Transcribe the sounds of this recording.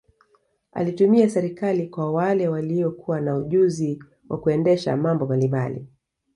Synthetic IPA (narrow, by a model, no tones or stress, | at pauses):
a̰litumiasɛɾikalikwawalɛwaliɔkʰuwanauʄuzi | wʔa̰kuɛndɛʃa̰mambɔmbalimbalḭ